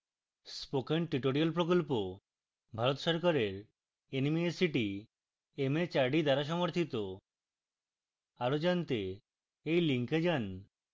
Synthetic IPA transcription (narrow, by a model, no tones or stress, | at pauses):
spokʰenʈɾiʈoɾialpɾokolpo | bʱaɾot̪ʃɔɾkaɾeɾ | enimeesiʈi | emet͡ɕaɾɖid̪aɾaʃ̬ɔmoɾt̪ʰit̪o | aɾod͡ʑant̪e | ejliŋked͡ʑan